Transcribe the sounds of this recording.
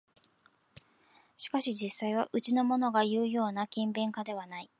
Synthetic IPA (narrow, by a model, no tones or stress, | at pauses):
ɕi̥kaɕid͡ʑisːaiβaʔɯ̟t͡ɕino̞mo̞no̞ɡajɯ̟ːjo̞ːnakʲĩmbẽ̞ŋkad̪e̞β̞anai